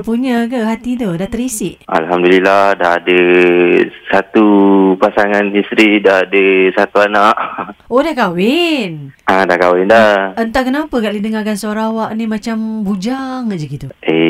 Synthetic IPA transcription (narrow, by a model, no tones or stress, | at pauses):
puɲəkaɦat̪it̪udat̪əɾisɪʔʔa̰lɦamdulilahdaɦadə | sat̪upasaŋanist̪ɾidaɦadəsat̪uanaʔodahkawɪnadakawɪndaʔənt̪akənapəkaʔlidəŋakansəoɾaawaʔnimat͡ʃambud͡ʒaŋad͡ʒəɡit̪uʔe